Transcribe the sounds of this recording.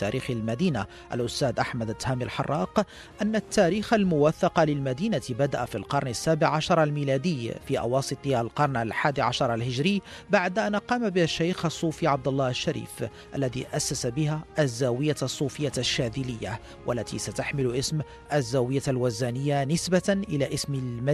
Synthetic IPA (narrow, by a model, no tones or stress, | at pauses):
t̪ːaːɾiːxalmad̪iːna | ʔa̰lʔʊst̪aːd̪ʔaħmad̪at̪ːhaːmɪlħɑ̰rˤːɑːq | ʔanːat̪ːaːɾiːxalmʊwaθːɑqɑlɪlmad̪iːnat̪bad̪aʔafilqɑɾˤnasːaːbɪʕʕaʃɑɾˤalmiːlaːd̪ɪjːfiːʔɑ̰wɑːsˤɨt̪ˤalqɑɾˤnalħaːd̪iʕaʃɑɾˤalhɪʒɾɪːbaʕd̪ʔanʔɑqɑːmabɪaʃːajxʔɑsˤːuːfiʕɑb̚d̪ɑlːɑːhʃːaɾḭːf | ʔa̰lːaðḭʔasːasabɪhaʔazːaːwɪjːasˤːuːfɪjːaʃːaːd̪ɪlɪjːa̰ | wʔalːat̪ʰḭsat̪aħmɪlʔɪsm | ʔazːaːwɪjːalwazaːnɪjːanɪsbanʔɪlaːʔɪsmɪlma